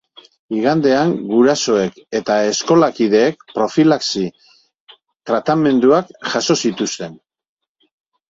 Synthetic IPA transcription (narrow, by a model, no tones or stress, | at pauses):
iɣand̪e̞aŋɡuɾaso̞e̞ke̞t̪ae̞sko̞lakið̞e̞ːk̚pɾo̞filaksi | t̪ɾat̪ame̞nd̪uakʝaso̞sit̪ust̪e̞n